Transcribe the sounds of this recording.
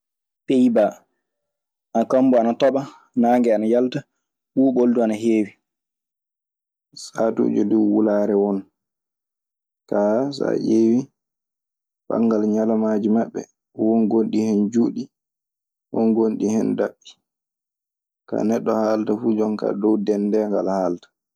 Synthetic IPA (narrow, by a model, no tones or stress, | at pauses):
pejba | ʔakɔmbɔanatɔɓa | naːŋɡɛanajalta | ɓuːɓolduanaɦeːwi | satṵːd͡ʒɔduwwulaːɾɛwɔn | kasa̰jeːwi | ɓa̰ŋɡalɲalamaːd͡ʒimaɓːɛ̰ | wɔnɡonɗihɛnd͡ʒuːɗi | wɔnɡonɗihɛndaɓːi̥ | ka̰nɛɗːɔhaːltafud͡ʒɔnka̰dɔwdɛndɛŋɡa̰lhaːltḁ